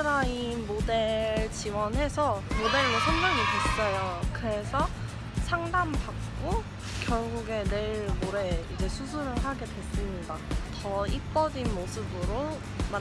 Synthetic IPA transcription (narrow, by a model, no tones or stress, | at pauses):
ɯɾainmodeɭt͡ɕiwʌnɦe̞sʰʌmode̞ɭːosʰʌndaŋikus͈ʌjokɯɾe̞sʰʌ | sʰaŋdambak̚k͈o | kjʌɭɡuɡe̞ne̞ɭmoɾe̞id͡ʑe̞sʰusʰuɾɯɭɦaɡe̞dwe̞s͈ɯmɲidatʌip͈ʌd͡ʑinmosʰɯbɯɾo | ma